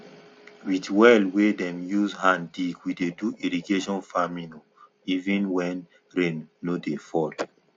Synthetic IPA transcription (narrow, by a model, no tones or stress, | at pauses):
witwɛlwedɛ̃mjuzɦãndiɡwideduʔiɹiɡeʃɔ̃nfamĩno | ivĩnwɛ̃n | ɹẽnːodefɔl